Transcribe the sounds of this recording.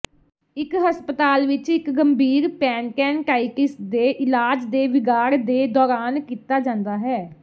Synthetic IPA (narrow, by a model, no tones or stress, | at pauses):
ɪkɦəspət̪aːlʋɪt͡ʃɪkɡəmbiːɾpɛːnkɛːnʈaːikɪsd̪eːʔɪlaːd͡ʒd̪eːʋɪɡaːɾd̪eːd̪ɔːɾaːnkiːt̪aːd͡ʒãːnd̪aːɦɛː